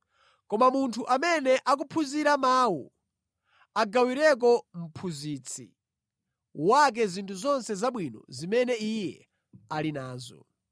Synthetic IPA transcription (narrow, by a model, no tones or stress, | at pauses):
kɔmamuntʰuʔamɛnɛʔak̬upʰuziɾamaːwṵ | aɡawiɾɛk̬ɔm̩pʰuziːt͡sʰḭ | wak̬ɛzintʰuzɔnsɛzaɓwinɔ̰zimɛnɛijɛ | alinaːzɔ̰